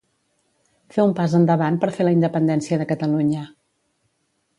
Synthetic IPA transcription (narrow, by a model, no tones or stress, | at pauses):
feumpazənd̪əβanpəɾfeləind̪əpənd̪ɛnsiəðəkət̪əluɲə